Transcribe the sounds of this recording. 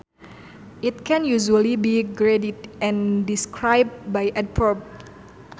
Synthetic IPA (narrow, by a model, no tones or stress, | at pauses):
ʔit̪̚kʰɛ̃njuʒuəlibiɡɾedidʔɛ̃ndiskʰɹajb̚bajʔɛt̚pʰɔb̚